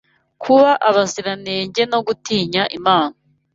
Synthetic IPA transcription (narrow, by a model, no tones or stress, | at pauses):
kʰuβaʔaβaziɾaneːɲɟe̞no̞ɡutiːɲaʔimaːna